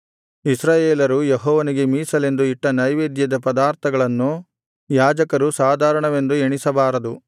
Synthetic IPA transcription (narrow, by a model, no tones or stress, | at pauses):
isɾaːjeːlɐɾujeɦɔːʋɐniɡe̞miːsɐle̞nd̪uiʈːɐnɐjʋeːd̪jɐd̪ɐpɐd̪aːɾt̪ʰɐɡɐɭɐnːu | jaːd͡ʒɐkɐɾusaːd̪ʱaːɾɐɳɐʋe̞nd̪ueɳisɐbaːɾɐd̪u